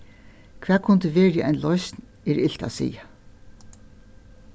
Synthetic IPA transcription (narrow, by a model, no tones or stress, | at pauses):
kʰvɛːkʰʊnt̪ɪʋeːɾɪʔa̰jnlɔjsn | ɛɾɪl̥t̪a̰sḭːja